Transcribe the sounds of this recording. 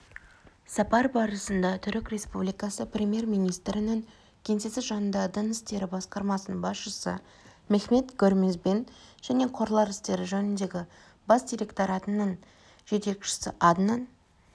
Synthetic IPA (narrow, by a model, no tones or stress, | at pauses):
sɑpɑɾbɑɾəsənd̪ɑt̪ʰʏɾɪkrʲe̞spublijkɑsəprʲemije̞ɾmijnijst̪ɾɪnɪŋ | kʲʰe̞nse̞sɪzʒɑnənd̪ɑd̪ənɪst̪e̞ɾɪbɑsqɑɾmɑsənəɴbɑsʃəsə̰ | mexme̞t̪ɡʲɵɾmezbenʒ̥æne̞qʰo̞ɾlˠɑɾɪst̪e̞ɾɪʒɵnɪnd̪e̞ɡʲɪ | bɑsd̪ijɾʲe̞kt̪oɾɑt̪ənəɴ | ʒ̥e̞t̪e̞kʃɪ̥sɪʔɑd̪nɑn